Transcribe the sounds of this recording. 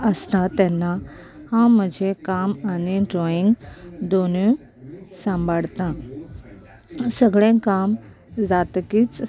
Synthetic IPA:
əst̪at̪ɛnːa | hãm̤əd͡ʑʱekamaniɖɾɔiŋɡd̪onu | sə̃mbʱaɽt̪ã | səɡɭẽkam | d͡zat̪kiːt͡s

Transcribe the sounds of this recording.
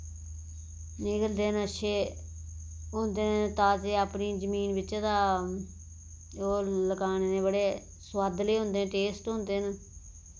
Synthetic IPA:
nɪkəld̪eːənəʃʰeː | ɦõːnd̪eːnt̪ãːt͡ʃeaːpniːd͡ʒəmiːnʋɪt͡ʃat̪aː | oːləkaːneːnẽːbəɽeː | swaːd̪leːɦõːnd̪ẽːʈeːsʈɦõːnd̪eːn

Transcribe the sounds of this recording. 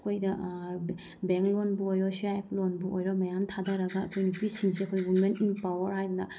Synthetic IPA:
kʰojdɐ | beŋklonbuojɾɔsajpʰlonbuojɾɔmɐjamtʰadaɾɐɡɐːkʰojnipisiŋseɐkʰojwumentinpawɐɾhajdunɐ

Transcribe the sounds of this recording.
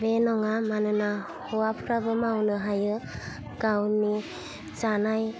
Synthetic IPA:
benɔŋamanɯna | hɔwapʰɾabɯmawnɯɦajɯ | ɡ̥awni | zanaj

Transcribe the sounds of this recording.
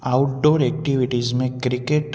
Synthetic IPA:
aʊʈ̚ɖoɾɛk̚ʈiʋiʈizmẽkɾikeʈ

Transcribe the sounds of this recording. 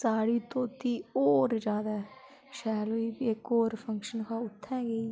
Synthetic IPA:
saːɽiːt̪õːt̪iːoːɾd͡ʒjaːd̪aː | ʃɛːloːiːekoːɾpʰəŋkʃənkʰaːʊt̪ʰːɛ̃ːɡeː

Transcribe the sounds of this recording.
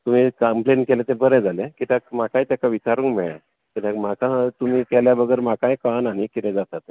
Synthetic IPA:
t̪um̤iːkəmplenkɛlɛ̃t̪̬ẽbəɾɛ̃d͡zalẽkit̪ʰakmakaĩt̪jakaʋit͡ɕaɾũːŋkmɛɭa̰ | kit̪ãkm̤akat̪um̤iːkɛljabəɡəɾmakãjkananikit̪ɛ̃d͡zat̪at̪e

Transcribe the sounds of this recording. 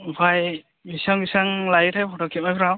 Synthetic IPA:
baj | bisaŋbisaŋlajitʰajpʰɔtɔkʰimajpʰɾaw

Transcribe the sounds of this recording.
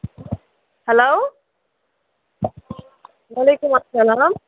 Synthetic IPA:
hɛlow | waːleːkumɐsːɐlaːm

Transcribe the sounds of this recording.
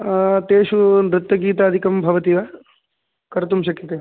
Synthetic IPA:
t̪eːʃuɾut̪ːɐɡiːt̪aːd̪ʱikɐmbʱɐʋɐt̪iːʋɐ | kɐɾt̪umʃɐkjɐt̪eː

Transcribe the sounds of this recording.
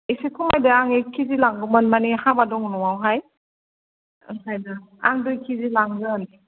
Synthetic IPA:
esekʰumajdaaŋekʰizilaŋɡɯmɯnmanihabadɔŋunɔwawɦaj | ɯ̰ŋsʰajda | a̰ŋdujkʰizilaŋzɯn

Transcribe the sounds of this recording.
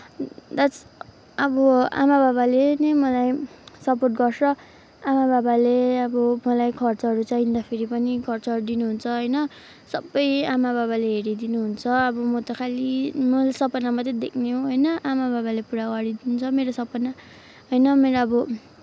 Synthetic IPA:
d̪at͡s | ʌbʌa̰mabaβalenemʌlajsʌporʈɡʌrsʌ | amababaleʌbʌmʌlajkʰʌrt͡sʌʌɾut͡saind̪apʰeɾipʌnikʰʌrt͡sʌʌrɾud̪inuɦunt͡sʰʌɦʌjnʌ | sʌbːʌjamababaleɦeɾid̪inuɦunt͡sʰʌʌbʌmot̪ʌkʰalimʌlsʌpʌnamʌt̪ed̪ekʰneɦoɦojnʌʔamababalepuɽaɡʌɾid̪int͡sʰʌmeɾosʌpʌna | ɦojnʌmeɾoʌbʌ

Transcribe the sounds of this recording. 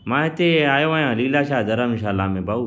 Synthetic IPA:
mãːɦɪt̪eaːjoːaːjãːliːlaːʃaːd̪əɾãmɪʃaːlaːmẽːbaːuː

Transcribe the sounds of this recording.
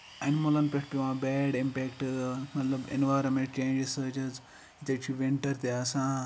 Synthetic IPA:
ɐnmolɐnpeʈpiʋãːbɛːɖimpeːkʈmɐt̪lɐbḛnʋaːjɾomẽɳʈ̚t͡ʃẽːnd͡ʒɾisəːt͡ʃɐz | it̪ɐt͡ʃʰiʋiɳʈɐɾt̪easã

